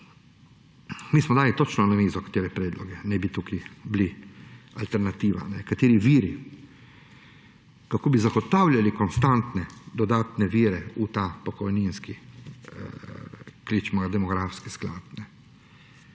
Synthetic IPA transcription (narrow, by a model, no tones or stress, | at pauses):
miːsmɔd̪aːlit̪ot͡ʃnɔanamiːzɔkḁt̪eːɾɛpɾɛːd̪lɔɡɛnɛbit̪ukiblialt̪ɛɾnat̪iːʋa̰nɛkat̪eːɾiʋiːɾi | kakoːbizaɡɔt̪awlʲjalikɔnst̪ant̪nɛd̪ɔd̪aːt̪nɛʋiːɾɛut̪aːpɔkɔjninski | klit͡ʃmaɡad̪ɛmɔɡɾafskiskla̰t̪̚nɛ